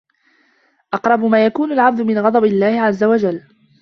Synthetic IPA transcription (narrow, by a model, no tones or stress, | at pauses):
ʔɑqɾˤɑbʊmaːjakuːnʊlʕab̚d̪ʊmɪnɣɑd̪ˤɑbɪlːaːhɪʕazːawad͡ʒalː